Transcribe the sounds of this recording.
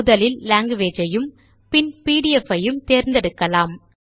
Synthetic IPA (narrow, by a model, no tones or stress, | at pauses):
ʊðɐlɪlːaːŋɡɯʋeːd͡ʒɐjɯm | pɪnpiːɽɪɛfɐjɯmt̪eːɾnd̪ɛɽɯkːɐlaːm